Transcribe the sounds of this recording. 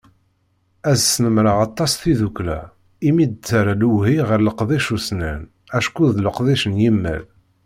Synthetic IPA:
æzsnəmɾəʁɑt̪ˤːɑsθiðuklæ̰ | imid̪t͡sːaɾaluwhiʁəɾləqðˤiʃusnæn | æʃkuðləqðˤiʃənjimːæ̰l

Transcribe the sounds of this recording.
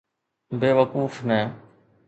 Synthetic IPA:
beːʋəkuːfnɛ̃ː

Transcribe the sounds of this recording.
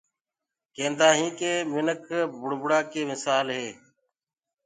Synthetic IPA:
kẽːnd̪aːɦĩːkeːmɪnəkʰbʊɽbʊɽaːkeːmɪsaːlɦeː

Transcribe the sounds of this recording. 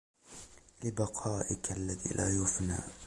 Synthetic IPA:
lɪbɑqʰɑːʔɪkalːaðḭːlʔaːjʊfna̰ː

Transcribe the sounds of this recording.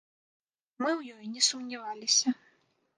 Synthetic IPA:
mɨwjɔjnʲɛsumnʲavalʲisʲɐ

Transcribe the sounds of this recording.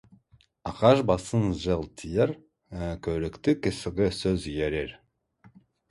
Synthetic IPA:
ɑqɑʒbɑsənʒəlˠt̪ʰijəɾ | kʲʰɵɾɪkt̪ɪkʲʰɪsɪɡʲɪsɵzijeɾeɾ

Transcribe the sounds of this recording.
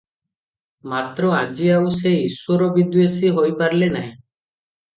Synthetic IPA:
mat̪ɾɔad͡ʒiawseiswɔɾɔbid̪wesiɦojpaɾlenaẽ

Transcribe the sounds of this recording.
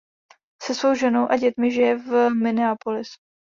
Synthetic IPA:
sɛsvo̞wʒɛno̞wʔaɟɛt̪mɪʒɪjɛvmɪnɪapolɪs

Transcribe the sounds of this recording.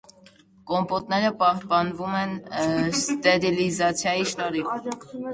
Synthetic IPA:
kɔmpɔt̪nɛɾəpɑhpɑnvumɛnst̪ɛɾilizɑt͡sʰjɑjiʃt̪ɑɾi

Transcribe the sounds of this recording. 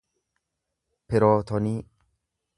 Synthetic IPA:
pɪɾɔːt̪ʰɔniː

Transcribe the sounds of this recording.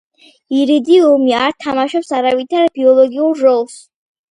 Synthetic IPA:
iɾid̪iɔmiaɾt̪ʰamaʃɔpsaɾavit̪ʰaɾbiɔlˠɔɡiuɾɾɔlˠs

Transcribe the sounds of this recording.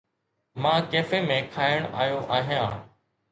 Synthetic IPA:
mãːkeːfeːmẽːkʰaːɪəɽ̃ʔaːjoːʔaːɦɪjãː

